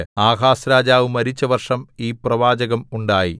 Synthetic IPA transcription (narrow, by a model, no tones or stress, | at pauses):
aːɣaːsɾaːd͡ʑaːʋɨmɐɾit͡ɕːɐʋɐrʂɐmiːprɐʋaːd͡ʑɐɣɐmuɳɖaːjḭ